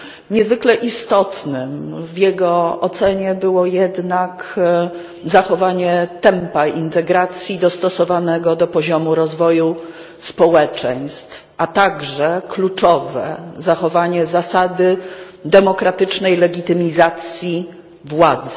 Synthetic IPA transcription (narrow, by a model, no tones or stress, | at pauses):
ɲɛzvɘklɛʔist̪ɔt̪nɘmvjɛɡɔɔt̪sɛɲɛbɘwɔjɛd̪nak | zaxɔvaɲɛt̪ɛmpaint̪ɛɡɾat̪sʲjid̪ɔst̪ɔsɔvanɛɡɔd̪ɔpɔʑɔmuɾɔzvɔju | spɔwɛt͡ʂɛj̃st̪fʔat̪aɡʐɛklut͡ʂɔvɛ̰zaxɔvaɲɛzasad̪ɘ | d̪ɛmɔkɾat̪ɘt͡ʂnɛjlɛɡʲit̪ɘmʲizat̪sʲji | vwad̪zɛ